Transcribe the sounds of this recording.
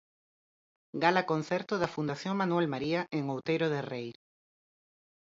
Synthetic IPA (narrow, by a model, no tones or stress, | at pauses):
ɡalɐkon̟θɛɾt̪oðɐfund̪aθjoŋmanwɛlmaɾiɐʔeŋowt̪ejɾoðerej